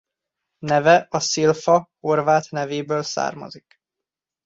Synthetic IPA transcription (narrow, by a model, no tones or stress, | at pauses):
nɛvɛʔɒsilfɒho̞rvaːt̪nɛveːbøːlsa̰ːrmɒ̰zik